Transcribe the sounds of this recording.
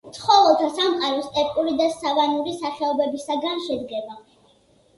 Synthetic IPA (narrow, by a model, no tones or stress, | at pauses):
t̪sʰʼχɔvɛlˠt̪ʰasamqʼaɾɔst̪ʼɛɾkʼuɾid̪asavanuɾisaχɛɔbɛbisaɡanʃɛd̪ɡɛba